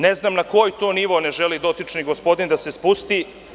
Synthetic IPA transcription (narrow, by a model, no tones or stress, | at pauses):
ne̞znaːmnako̞jt̪oːniʋo̞ne̞ʒelid̪o̞t̪it͡ʃniɡospo̞d̪ind̪ase̞spust̪i